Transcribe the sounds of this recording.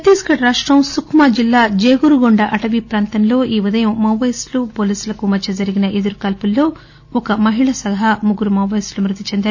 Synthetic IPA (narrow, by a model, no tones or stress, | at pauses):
pɐt̪iːskɐʈɾaːʂʈɾɐmsukʰmaːd͡ʒilːaːd͡ʒeːɡuɾuɡɔɳɖɐʔɐʈɐʋipɾaːnt̪ɐnlo̞ːʔiːʋid̪ɐjɐmːɐwʋɐjslupoːliːsulɐkumɐt͡ʃɐd͡ʒɐɾiɡinɐʔed̪uɾukɐlpulːo̞ː | ɔkɐmɐɦiɭɐsɐɡɐɦɐmuɡuɾumɐwːɐjslumɾut̪it͡ʃend̪aːɾ